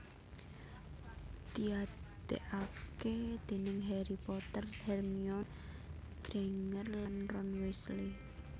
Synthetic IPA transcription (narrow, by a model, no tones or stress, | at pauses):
t̪iad̪̥ḛʔaked̪̥e̤nɪŋɦɛɾipɔt̪ərhɛrmiɔn | ɡ̥ɾeŋərlanrɔnwɛsli